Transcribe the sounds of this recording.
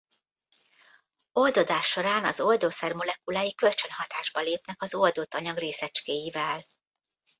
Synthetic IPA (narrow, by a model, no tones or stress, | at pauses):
o̞ld̪o̞d̪aːʃːo̞ɾaːnɒzo̞ld̪oːsɛrmo̞lɛkulaːjikø̞lt͡ʃø̞nhɒt̪aːʒbɒleːpnɛkɒzo̞ld̪oːt̪ɒɲɒɡreːsɛt͡ʃkeːjivɛl